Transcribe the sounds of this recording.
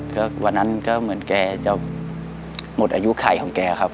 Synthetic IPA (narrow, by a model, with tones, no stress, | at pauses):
kɔː˥˩wa˧nːa˧˦˥nkaː˧˥˩mɯ˩˦ənkɛː˧t͡ɕa˧˩ | mo˨˩t̪ʔaː˧ju˧˥kʰa˨˩˦jhʰɔ˨˩˦kɛː˧kʰa˦˥p̚